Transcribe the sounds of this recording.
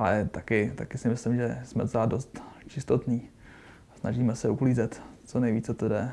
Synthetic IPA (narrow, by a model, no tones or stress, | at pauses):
ʔalɛt̪akɪt̪akɪsɪmɪslɪmʒɛsmɛ̰zadost̪t͡ʃɪst̪ot̪niː | snaʒiːmɛsɛukliːzɛt̪t͡sonɛjviːt͡sɛt̪odɛ